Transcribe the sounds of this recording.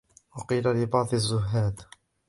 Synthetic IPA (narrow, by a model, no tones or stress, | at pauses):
wɑqiːlalɪbɑʕd̪ˤazːʊɦːaːt̪